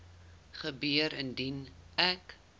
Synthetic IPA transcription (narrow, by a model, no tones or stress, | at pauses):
χəbyəɾəndinæk